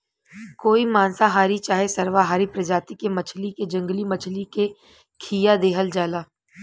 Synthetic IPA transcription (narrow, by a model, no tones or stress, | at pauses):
koːimaːnsaɦaːɾit͡ʃaːɦesɐɾʋaɦaːɾipɾɐd͡ʒaːt̪ikemɐt͡ʃʰliked͡ʒɐ̃ŋɡlimɐt͡ʃʰlike | kʰiːjad̪eːɦəld͡ʒaːlaː